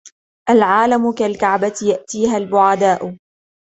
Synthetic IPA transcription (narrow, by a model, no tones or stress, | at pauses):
ʔalʕaːlamʊkalkaʕbat̪jaʔt̪iːɦalbʊʕad̪aːʔʊ